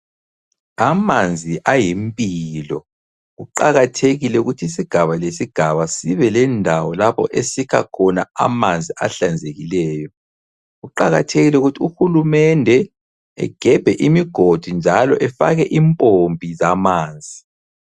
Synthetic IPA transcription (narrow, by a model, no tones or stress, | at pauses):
amand͡zʱiʔajimpʼilɔ | ɣuǃaɣatʰeɣilɛuɣutʰiisiɡ̥ʱaβalesiɡ̥ʱaβasiβɛlɛndʱawɔlapʰɔ̰ʔesikʰa̰kʰɔnaa̰mand͡zʱia̰ɬand͡zʱeɣilɛːjɔ | ɣuǃaɣa̰tʰeɣilɛuɣutʰiuxulumɛndʱɛ | ɛ̰ɡ̥ʱɛb̥ʱɛʔimiɡ̥ʱod̥ʱund͡ʒʱalɔʔɛfa̰ɣɛʔimpʼombʱʼizamaːnd͡zʱi